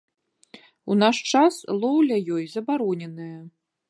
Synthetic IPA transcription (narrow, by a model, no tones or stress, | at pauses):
unaʂt͡ʂaslˠɔwlʲɐjɔjzɐbaɾɔnʲɛnɨjɐ